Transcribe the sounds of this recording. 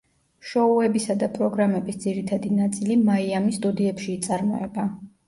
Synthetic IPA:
ʃɔuɛbisad̪apʼɾɔɡɾamɛbisd̪ziɾit̪ʰad̪inat̪sʼilimaiamist̪ʼud̪iɛpʃiːt̪sʼaɾmɔ̰ɛba

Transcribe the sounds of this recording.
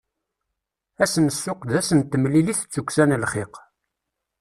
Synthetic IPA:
æsənəsːʊqd̪æsənt̪ːəmliliθt͡sːukʷːsænəlχɪq

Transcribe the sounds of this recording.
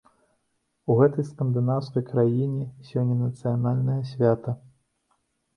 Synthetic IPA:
uɣɛt̪ɐjskɐnd̪ɨnawskɐjkɾajinʲɛsʲɔnʲːɐnɐt̪sɨjanalʲnɐjɐsʲvʲat̪ɐ

